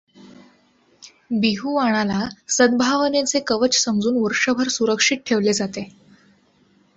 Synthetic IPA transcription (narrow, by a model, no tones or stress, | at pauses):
biɦuːʋaɽ̃alasəd̪̚bʱaʋənet͡sekəʋət͡ɕsəmd͡zuːnʋəɾʂəbʱəɾsuɾəkʂiʈ̪̚ʈʰeʋled͡zat̪e